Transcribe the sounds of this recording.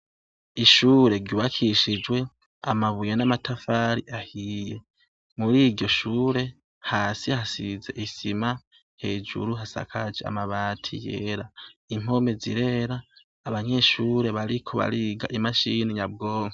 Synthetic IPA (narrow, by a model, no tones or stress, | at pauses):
iʃuːɾe̞ɾɟuβakʰiʃid͡ʒwe̞ | a̰maβujenamatafaːɾiʔahiːje̞ | muɾiːɾɟo̞ʃuːɾe̞ | haːsihasize̞ʔisima | he̞ːd͡ʒṵɾuɦasa̰kʰad͡ʒea̰maβaːtʰḭjḛɾaim̥o̞me̞zḭɾe̞ɾaː | βaɲe̞ʃuːɾe̞βaɾikʰo̞βa̰ɾiɡa̰ʔimaʃiniɲab̚ɡoːŋho